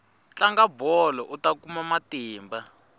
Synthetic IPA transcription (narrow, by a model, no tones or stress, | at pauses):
t͡ɬaŋɡabɔlɔʔutakumamatiːmba